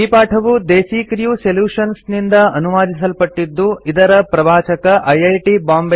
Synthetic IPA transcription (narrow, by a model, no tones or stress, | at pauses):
iːpaːʈʰɐʋud̪eːsiːkɾjuseljuːʂɐnsnind̪ɐɐnuʋaːd̪isɐlpɐʈːid̪ːuid̪ɐɾɐpɾɐʋaːt͡ʃɐkɐʔɐjɐjʈibaːmb